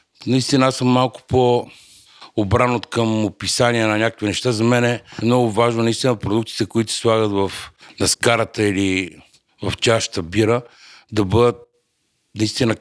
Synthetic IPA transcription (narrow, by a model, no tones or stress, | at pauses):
nɐist̪inəasəmːalˠkʊ̥po | obɾanot̪kəmopisaniɛnɐnʲakə̥kvinɛʃt̪azɐmɛnɛmnɔɡʊvaʒnʊnɐist̪inəpɾod̪uk̚t̪i̥t̪ɛkʊit̪ʊsi̥slˠaɣət̪vɐfnɐskaɾət̪əili | vɐft͡ʃaʃt̪əbiɾəd̪ɐbɤd̪ət̪̚ | nɐist̪inə